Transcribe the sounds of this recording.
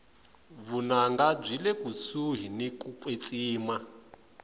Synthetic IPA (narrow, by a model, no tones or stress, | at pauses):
βunaŋɡab͡ʐilɛkusuɦinikukwet͡sʼiːma